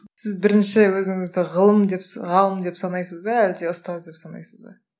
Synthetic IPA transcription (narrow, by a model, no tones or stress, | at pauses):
sɪzbɪɾɪnʃɪwɵzɪŋɪzd̪ɪʁəlˠəmd̪e̞pʁɑlˠəmd̪e̞psɑnɑjsəzbɑæld̪e̞ʊst̪ɑzd̪e̞psɑnɑ̰jsəzbɑ̰